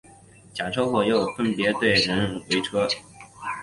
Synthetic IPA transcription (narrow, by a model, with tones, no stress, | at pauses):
t͡ɕja˨˩ʈ͡ʂʰo˥ʊxwɔ˥˩jo˥˩ʊfə˥npjɛ˧˥t̪we˥˩ɪɻə˧˥nwe˧˥ɪʈ͡ʂʰɤ˥